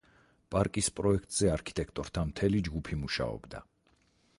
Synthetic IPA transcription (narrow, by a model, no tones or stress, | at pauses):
pʼaɾkʼispʼɾɔɛkʰt̪ʼz̥ɛaɾkʰi̥t̪ʼɛkʰt̪ʼɔɾt̪ʰamt̪ʰɛlid͡ʒɡupʰimuʃa̰ɔ̰bd̪a̰